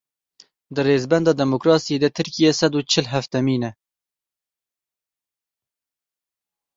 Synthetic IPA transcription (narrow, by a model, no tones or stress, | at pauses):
d̪ɨreːzbɛnd̪ɑːd̪ɛmokɾɑːsijeːd̪ɛt̪ʰɨɾkijɛsɛd̪uːt͡ʃʰɪlɦæft̪ɛmiːnɛ